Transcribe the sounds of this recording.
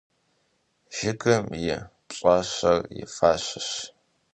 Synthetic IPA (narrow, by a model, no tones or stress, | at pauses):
ʒ̥ɪɡɐmjɪ | ɕʼɐɕɐrjɪ̰faːɕɪɕ